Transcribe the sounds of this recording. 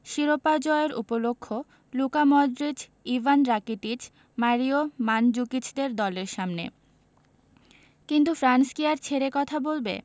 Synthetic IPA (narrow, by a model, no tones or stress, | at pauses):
ʃiɾopad͡ʑɔeɾṵpolokʰːo | lukamɔd̪ɾid͡ʑ | ivʱanɾakiʈit͡ɕ | maɾiomand͡ʑukit͡ɕd̪eɾd̪ɔleɾʃamnḛ | kint̪ufɾanskiaɾt͡ɕʰeɾekɔt̪ʰabolbḛ